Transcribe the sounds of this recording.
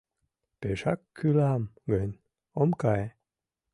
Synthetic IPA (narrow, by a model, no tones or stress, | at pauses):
peʃakʰːylamɡən | omkaj